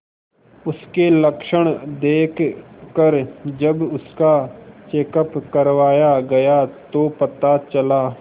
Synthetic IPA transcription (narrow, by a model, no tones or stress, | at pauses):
ʊskeləkʃəɽ̃d̪eːkʰkəɾd͡ʒəbʊskat͡ʃeːkəpkəɾʋaːjaɡɐjat̪opɐt̪at͡ʃɐlaː